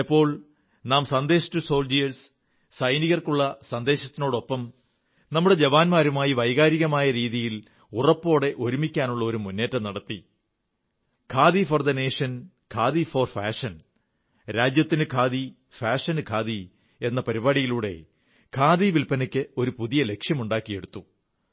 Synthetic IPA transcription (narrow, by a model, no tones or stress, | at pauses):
ipːo̞ːɭ | naːmsɐnd̪eːɕɐ̥tːuso̞ːld͡ʑijɐls | sɐjniɣɐrkuɭːɐsɐnd̪e̞ːɕɐt̪ːino̞ːɽo̞pːɐm | nɐmːuɽe̞d͡ʑeʋaːnmaːɾumaːjiʋɐjɣaːɾiɣɐmaːjɐɾiːðijil | urɐpːo̞ːɽe̞ʔo̞ɾumikʲːaːnuɭːɐo̞ɾumunːe̞ːtːɐmnɐɽɐt̪ːi | kʰaːðifɐrd̪ɐneːʂɐn | kʰaːðiforfaːʂɐn | ɾaːd͡ʑjɐt̪ːinɨkʰaːði | faːʂɐnɨkʰaːði | e̞nːɐpɐɾibaːɽijiluːɽe̞̰ | kʰaːðiʋilpɐnɐkʲːɨo̞ɾupuðijɐle̞kʂjɐmuɳɖaːkːije̞ɽut̪ːu